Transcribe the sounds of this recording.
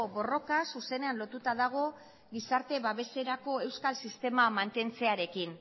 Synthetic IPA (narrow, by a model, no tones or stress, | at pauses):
βo̞ro̞kasuse̞ne̞anlo̞t̪ut̪aðaɣ̞o̞ | ɣisaɾt̪e̞βaβe̞se̞ɾako̞e̞wskalsist̪e̞mamant̪e̞nt͡se̞aɾe̞kin